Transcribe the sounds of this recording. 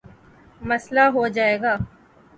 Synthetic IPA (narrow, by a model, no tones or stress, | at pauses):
mɐslaɦod͡ʒaːeːɡaː